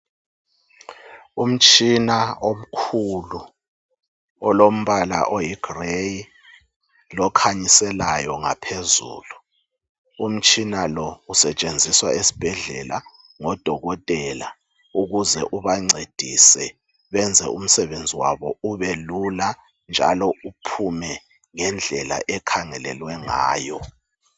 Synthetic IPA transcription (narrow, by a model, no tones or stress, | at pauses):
um̩t͡ʃʼinaom̩kʰulu | ɔlom̩βala̰ʔojiɡ̥reji | lɔkʰaɲisɛlajɔŋa̰pʰezṵːlu | um̩t͡ʃʼinalɔusɛt͡ʃʼend͡zʱiswaʔesi̥b̥ʱɛɮɛ̰la | ŋɔd̥ʱɔɣɔtʼɛla | uɣuzɛʔuβaŋ͡ǀed̥ʱisɛ | βɛnd͡zʱɛ̰um̩sɛβend͡zʱiwa̰βɔuβelula | nd͡ʒʱa̰lɔupʰumɛ | ŋɛnd͡ɮʱɛla̰ʔɛkʰaŋɛlɛ̰lwɛŋa̰ːjɔ